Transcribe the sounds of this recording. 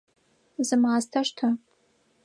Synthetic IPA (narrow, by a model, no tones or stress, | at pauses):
zɨmaːztʰaʂtʰa